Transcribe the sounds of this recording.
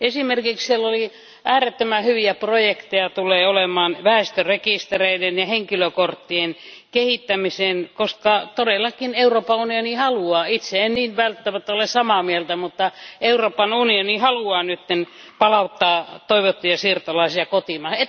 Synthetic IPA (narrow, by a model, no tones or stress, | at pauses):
esimerkikssielːoli | ʔæːret̪ːømæhyʋiæprojekt̪ejɑt̪ulːˑeːolemˑɑːnʋæest̪ørekist̪ereidenjɑheŋkiløkort̪ːien | kehit̪ːæmiseːˑnkoskɑt̪odelːˑɑkineuroːpɑunionihɑluɑːit̪seenniːnʋælt̪ːæmæt̪ːæolessɑmɑmielt̪æmut̪ːɑeuroːpɑnunionihɑluɑːnyt̪ːen | pɑlɑut̪ːɑːt̪oiʋot̪ːujɑsiːrt̪olɑisiɑkot̪imɑhet